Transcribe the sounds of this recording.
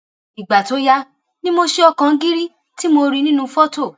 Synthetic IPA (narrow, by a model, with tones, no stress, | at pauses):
i˨ɡ͡ba˨to˨˦ja˦ | nĩ˦mo˧ʃe˧ɔ˧kã˧˦ɡi˦ɾi˦ | ti˦mo˧ɾi˧nĩ˦nũ˧fɔ˦to˦˨